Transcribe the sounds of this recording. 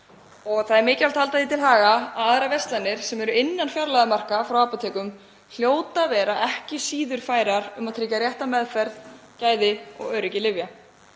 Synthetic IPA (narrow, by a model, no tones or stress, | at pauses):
ɔɣθaðɛɾmɪːcal̥t̪hʰalt̪aðit̪ʰɪlhaːɣaaðɾavɛst̪lanːɪɾ̥sɛmɛɾʏɪnːanfjaɾlajðamar̥kafɾawaːpat̪ʰɛːkʏm | l̥joːwt̪avɛːɾaɛhcɪsiːðʏɾ̥faːjɾaɾʏmaðt̪ʰɾɪːcarjɛht̪amɛðfɛɾð | caːjðɪɔ̰ɣœːɥɾɪcɪlɪvja